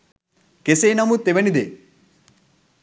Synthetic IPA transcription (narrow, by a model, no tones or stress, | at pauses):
kesejnɐmut̪eʋenid̪e